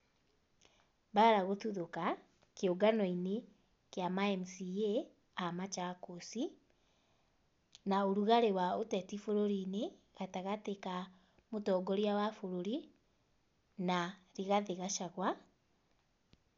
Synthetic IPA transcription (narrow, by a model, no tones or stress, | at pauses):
baɾaɣoθuðoka | keoɡanɔine | keamaɛmusie | amat͡ʃakosi | naoɾuɣaɾewaotɛtifoɾoɾine | ɣataɣateka | motɔɡɔɾiawafoɾoɾi | naɾiɣaðeɣaʃaɣwa